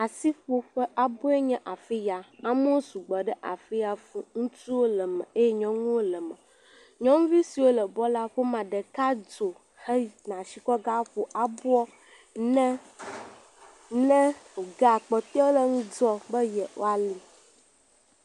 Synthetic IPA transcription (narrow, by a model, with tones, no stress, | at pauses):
a˨si˦ɸo˦ɸə˦ʔa˨bo˦e˦ɲɛ̃˦ʔa˨fi˦ja˨a˦mo˦o˦su˨ɡ͡bɔ˨ɖɛ˦ʔa̰˨fi˦ja˨fũ˨ŋũ˦tu˦wo˦lə˨mɛ̰̃˨e˦jɛ˦ɲɔ̃˨ŋũ˦wo˦lə˨mɛ̃˨ | ɲɔ̃˦ŋ̃˦vi˦si˨wo˦lə˨bɔ˦la˦ɸo˦mã˨ɖə˨ka˦d͡ʒo˨ | hə˦nã˨ʃi˨kɔ˦ɡa˦ɸo˨ʔa˨bu˦ɔ˦ | nɛ˦ | nɛ̃˦o˨ɡa˦˨k͡pɔ˨t̪ɔ˦lə˦ŋũ˦d͡ʒɔ˦bə˦jɛ˨wo̰˦a˨li˨